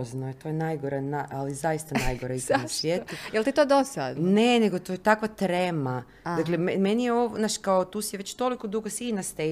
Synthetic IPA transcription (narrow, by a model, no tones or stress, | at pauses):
znoet̪ojenajɡoɾanaʔalizajist̪anajɡoɾaist̪asʋʲjeːt̪ujelt̪it̪oːd̪osad̪ne̞neɡot̪ojet̪akʋat̪ɾema | d̪aklememenijeoʋnaʃkaot̪uːsiʋet͡ɕt̪o̞likod̪uɡosinast̪e